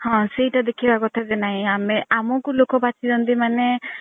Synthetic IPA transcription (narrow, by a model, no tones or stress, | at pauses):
hɔ̃sejʈad̪ekʰibakɔt̪ʰazenaɦĩameamɔkulokɔpat͡ʃʰid͡ʒɔnt̪̬imane